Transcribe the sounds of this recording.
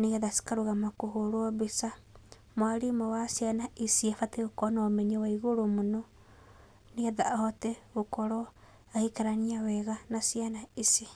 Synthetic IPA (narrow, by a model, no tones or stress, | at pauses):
niaðasi̥kaɾoɣamakoɦoɾoɔβisa | mwaɾimɔwasjanaisiafateokɔnaːmɛɲewaiɣoɾomonɔ | niaðaːhɔtɛɣokɔɾɔ | ahikaɾaniawɛɣanasianaisi